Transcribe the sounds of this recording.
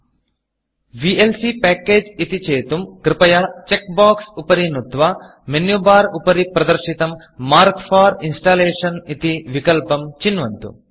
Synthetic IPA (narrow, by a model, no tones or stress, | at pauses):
ʋielsipɛːkeːd͡ʒit̪it͡ʃeːt̪umkɾipɐjɐt͡ʃek̚baːksupɐɾinut̪ʋɐ | menjubaːɾupɐɾipɾɐd̪ɐɾʃit̪ɐmː | aːɾkpʰaːɾinsʈaːleːʂɐnit̪iʋikɐlpɐmt͡ʃinʋɐnt̪ṵ